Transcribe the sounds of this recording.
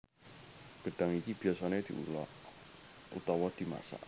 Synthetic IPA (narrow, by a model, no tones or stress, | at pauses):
ɡ̥ə̤ɖ̥a̤ŋikib̥i̤asaned̪̥ḭṵlɔʔ | ṵt̪ɔwɔd̪̥i̤ma̰sa̰ʔ